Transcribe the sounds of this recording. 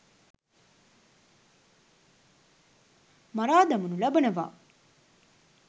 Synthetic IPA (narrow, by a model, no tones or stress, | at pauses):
maɾaːd̪ɐmunulɐbənəʋa̰ː